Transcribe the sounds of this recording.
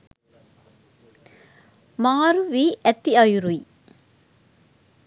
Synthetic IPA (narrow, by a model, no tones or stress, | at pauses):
maːɾuʋiʔɛt̪ːiɐjuɾuj